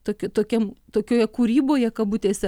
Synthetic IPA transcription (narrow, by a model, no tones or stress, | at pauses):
t̪oːkʲt̪oːkʲɛmt̪oːkʲoːjɛkuːɾʲiːboːjɛkɐbut̪ʲeːsʲɛ